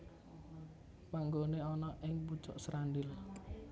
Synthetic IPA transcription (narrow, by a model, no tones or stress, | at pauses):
paŋɡoneɔnɔʔɪŋpu̥t͡ʃɔʔsɾandɪl